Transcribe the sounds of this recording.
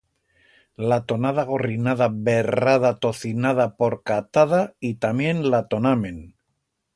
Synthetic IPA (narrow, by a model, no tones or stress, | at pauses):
lat̪o̞nað̞aɣo̞rinaðaβe̞raðat̪o̞θinað̞apo̞ɾkat̪aðait̪amje̞nlat̪o̞namẽ̞n